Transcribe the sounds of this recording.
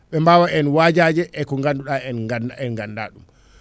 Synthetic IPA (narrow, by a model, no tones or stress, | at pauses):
ɓɛmbaːwaɛnwad͡ʒad͡ʒɛʔɛkɔŋɡanduɗaɛnɛnɡanda̰ːɗum